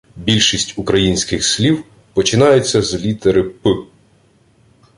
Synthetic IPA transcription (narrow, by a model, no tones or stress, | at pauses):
bʲilʲʃisʲtʲʊkɾɐjinʲsʲkɪxslʲiw | pɔt͡ʃɪnɑjʊt͡sʲːɐzlʲit̪eɾɪpɪ